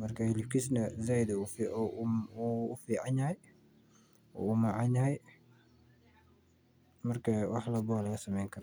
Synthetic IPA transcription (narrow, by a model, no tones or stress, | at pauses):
mɐrkʰɐhɪlɪbkʰis̬nɐzaːjd̪ufiʔuːfiːʕanjɐj | ʔɔ̰ːumaʕaɲjɐɦɛj | mɐrkʰɐwɑħlɐbɔːlɐɣɐsɐmɛjŋkʰɐɾa